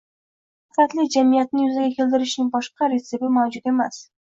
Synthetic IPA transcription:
ɪfat̪lɪd͡ʒamijat̪nɪjʊzaɡʲakʲʰelʲd̪ɪɾɪʃnɪŋbɒʃqɑɾesɪbɪmawd͡ʒʊt̪e̞mas

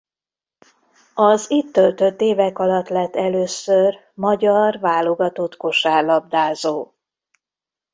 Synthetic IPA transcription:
ɒzit̪ːølt̪ø̞t̪ːeːvɛkɒlɒt̪lɛt̪ːɛløːsør | mɒɟɒrvaːlo̞ɡɒt̪o̞t̪ko̞ʃaːrlɒb̚d̪aːzoː

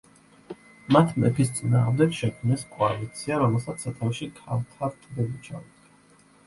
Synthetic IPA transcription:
mat̪ʰmɛ̰pʰist̪sʼinaːʁmd̪ɛkʃɛkʰmnɛskʼɔalit̪sʰiaɾɔmɛlˠsat̪sʰːat̪ʰavʃikʰalt̪ʰaɾt̪ʼdɛbit͡ʃʰaud̪a

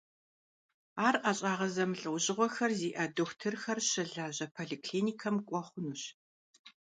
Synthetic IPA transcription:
aːrʔɐɕʼaːʁɐzɐmɨɬʼɨwʑɪʁʷɔxɐrziːʔɐdoxʷtʰɨrxɐrɕɪɮaːʑɐpʰoːɮikʰliːniːkʰɐmkʷʼɔχʷʊnuːɕ

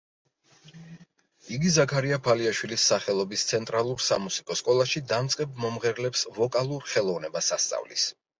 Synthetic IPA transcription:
iɡizakʰaɾiapʰaliaʃwilisːaχɛlˠɔbist̪sʰɛnt̪ʼɾalˠuɾsamusikʼɔskʼɔlˠaʃid̪amt̪sʼqʼɛbmɔmʁɛɾlɛpsvɔkʼalˠuɾχɛlˠɔvnɛbasast̪sʼa̰vlḭs

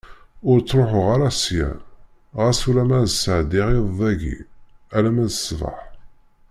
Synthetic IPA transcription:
ʊɾt͡sːɾoħʊʁaɾasjæ̰ | ʁæsulæmæðsəʕd̪iʁiððˤæʝḭælæmæðəsvɑ̰ħ

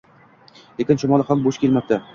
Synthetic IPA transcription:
lekʲɪnʃʊmɒlˠɪhamboʃkʲe̞lmap̚t̪a

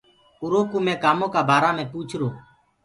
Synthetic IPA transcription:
ʊɾõːkuːmẽːkaːmõːkaːbʱaːɾaːmẽːpuːt͡ʃʰɾoː

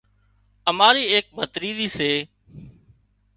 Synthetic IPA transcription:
əmaːɾiːeːk̚bʱət̪ɾiːd̪iːseː

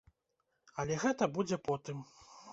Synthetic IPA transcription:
ɐlʲɛɣɛt̪ɐbud͡zʲɛpɔt̪ɨm

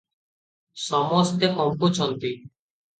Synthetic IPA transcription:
ʃɔmost̪ekɔmpot͡ɕʰɔnt̪i

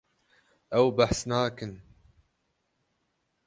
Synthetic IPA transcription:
ʔawbaħsnaːkɨn

